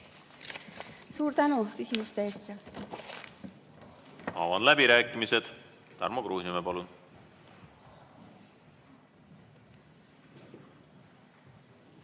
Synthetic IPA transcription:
suːɾt̪ænukysʲimust̪eeːst̪ | ɑ̰ːvɑnlæbiɾæːkˑːimise̞d̪̥ | t̪æ̰ɾmɑkɾuːsimepɑlun

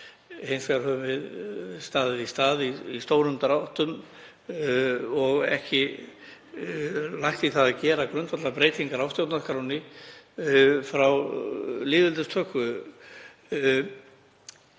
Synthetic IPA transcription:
hejnsaɾ̥hœvʏvɪðst̪aːðɪðist̪aːðiist̪oːwɾʏmt̪ɾawht̪ʏm | ɔɣɛ̰hcɪ | lajhxt̪iθaðacɛːɾakɾʏnt̪vat̪lapɾeːjt̪iŋkaɾawst̪jowt̪naskɾawnɪ | fɾawlɪːvɪlt̪ʏst̪ʰœhkʏ

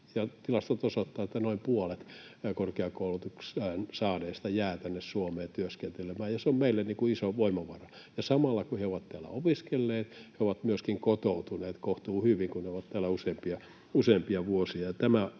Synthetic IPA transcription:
jɑt̪ilɑst̪ot̪osot̪ːɑːet̪ːænoimpuolet̪korkeɑkoulut̪uksæːnsɑːneːst̪ɑjæːt̪ænːessuomeːt̪yøskent̪elemæːjɑseommeilːenniːŋkuisoʋoimɑʋɑrɑ | jɑsɑmɑlːɑkuheoʋɑt̪t̪æːlæ̰opiskelːeːt̪heoʋɑt̪myøskiŋkot̪out̪uneːt̪koht̪uːhyʋiŋkunneoʋɑt̪t̪æːlːæuseːmpiɑ | useːmpiɑʋuosiɑjɑt̪æmæ

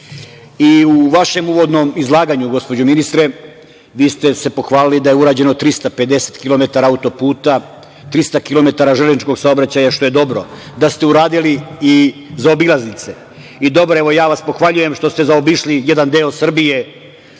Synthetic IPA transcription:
iuʋaʃe̞muʋo̞d̪no̞mizlˠaːɡaɲuɡo̞spo̞d͡ʑuminist̪ɾe̞ | ʋiːst̪e̞se̞po̞xʋaːlilid̪aje̞uɾaːd͡ʑe̞not̪ɾist̪ape̞d̪e̞se̥t̪kilˠo̞me̞t̪aɾaaut̪o̞puːt̪a | t̪ɾist̪akilo̞me̞t̪aɾaʒelezit͡ʃko̞ɡsaobɾat͡ɕajaʃt̪o̞je̞d̪o̞bɾo̞ | d̪ast̪e̞uɾaːd̪iliizao̞bilˠaznit̪se̞ | id̪o̞bɾoeʋojaːʋaspo̞xʋaʎuje̞mʃt̪o̞st̪e̞zaobiʃlije̞d̪and̪eːo̞sr̩bije̞

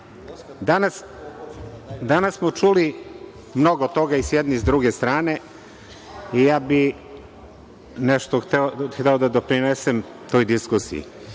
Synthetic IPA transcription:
d̪anas | d̪anasːmot͡ʃuli | mno̞ɡot̪o̞ɡaisjɛd̪nizd̪ɾuɡe̞st̪ɾaːne̞ | ijaːbi | nɛʃt̪oxt̪eoxt̪eod̪ad̪o̞pɾinesem | t̪o̞jd̪iskusḭḭ

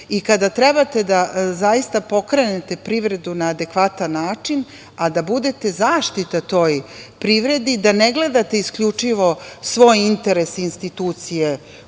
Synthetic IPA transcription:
ikad̪at̪ɾe̞bat̪e̞d̪azajist̪apo̞kɾe̞ne̞t̪e̞pɾiʋɾe̞d̪unaːd̪e̞kʋat̪anːaːt͡ʂin | ad̪abud̪e̞t̪e̞zaːʃt̪it̪at̪o̞ːjpɾiʋɾe̞d̪id̪aneɡle̞d̪at̪e̞iskʎut͡ʂiʋo̞sʋo̞ːjint̪e̞ɾe̞sinst̪it̪uːt̪sije

